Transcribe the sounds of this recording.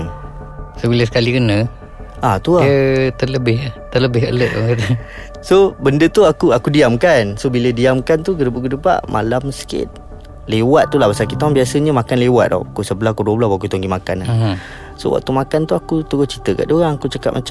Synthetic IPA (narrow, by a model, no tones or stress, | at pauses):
sobiləsə̥kalikənə | ʔat̪uaət̪ələbɪhat̪ələbɪɦə̰ləʔaŋkat̪ə | sobəndət̪uakuakudiamkansobilədiamkant̪ukədəpakədəpa̰ʔmʔa̰lamsə̥kɪ̰t̪̚ | lewat̪̚t̪ːulabasakit̪aaŋbiasəɲəmakanlewat̪̚dɔ̰ʔkusəbəlaakuduəbəlaswaʔkut̪oŋɡimaka̰na | so̰wa̰k̚t̪umakant̪uakut̪əɡʊht͡ʃit̪əka̰ʔdoɣaŋakut͡ʃəka̰ʔ̚mʔat͡ʃa